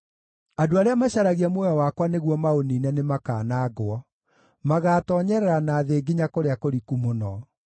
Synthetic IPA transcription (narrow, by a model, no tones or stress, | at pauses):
adoaɾeamaɕaɾaɣiamwɔjawakwaneɣwɔmaoniːnɛnemaka̰ːnaːɡwɔ | maɣaːtɔɲɛɾɛɾanaːðeːɡiɲakoɾeakoɾikumonɔ